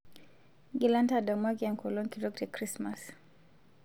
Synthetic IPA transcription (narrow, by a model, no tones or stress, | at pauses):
ɡilantadamwakiaŋkɔlɔŋkiɾɔk̚tɛkɾismas